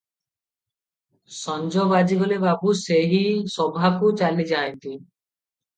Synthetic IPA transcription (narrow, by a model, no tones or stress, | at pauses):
sɔnd͡ʒɔbad͡ʑiɡɔlebabuseɦisɔbʱakut͡ʃalid͡ʒaent̪i